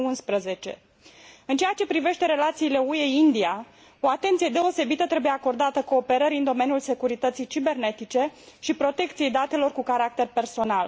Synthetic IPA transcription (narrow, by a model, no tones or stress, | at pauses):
unspɾəze̞t͡ʃe̞̰ | ɨnt͡ʃejat͡ʃe̞pɾive̞ʃt̪e̞ɾe̞lat̪siːle̞ue̞ind̪ia | o̞at̪e̞nt̪sijed̪e̞o̞se̞bit̪ət̪ɾebuje̞ako̞rd̪at̪əko̞ːpe̞ɾəɾiɨnd̪o̞me̞njulse̞kuɾit̪ət̪sijt͡ʃibe̞rne̞t̪it͡ʃe̞ʃipɾo̞t̪e̞kt̪sije̞jd̪at̪e̞lo̞rkukaɾak̚t̪e̞rpe̞rso̞nal